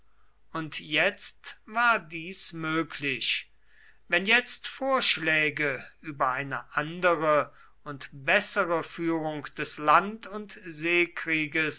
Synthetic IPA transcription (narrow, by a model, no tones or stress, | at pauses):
ʔʊntjɛt͡stvaːɐdiːsmøːkʰlɪɕ | vɛnjɛt͡stfoːɐʃlɛːɡəyːbɐaɪnəʔandəʁə | ʊntbɛsəʁəfyːʁʊŋkd̥ɛslantʊntzeːkʁiːɡəs